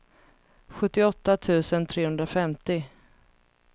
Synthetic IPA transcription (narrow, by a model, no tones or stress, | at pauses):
ɧɵt̪ːɪɔt̪ːat̪ʰʉ̟ːsənt̪ʰɾeːhɵnd̪ɾafɛmt̪ɪ